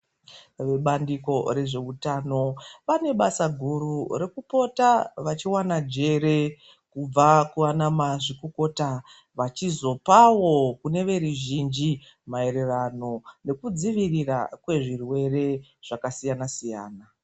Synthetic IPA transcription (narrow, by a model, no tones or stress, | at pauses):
ʋe̞ɓandiko̞ɾe̞ʐe̞utaːno̞pane̞ɓasaɡʱurure̞kupo̞taʋat͡ʃiwanad͡ʒe̞ɾe̞ | kub͡vakuwanamaʐikoko̞ta | ʋat͡ʃizo̞pawo̞kune̞ʋe̞ɾuʒind͡ʒi | mae̞ɾe̞rano̞ne̞kud͡ziʋirira̰kwe̞ʐirwe̞re̞ʐ̥akasijanasija̰ːna